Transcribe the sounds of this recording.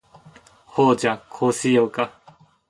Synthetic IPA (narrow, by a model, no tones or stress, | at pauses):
hod͡ʒakʰosijowka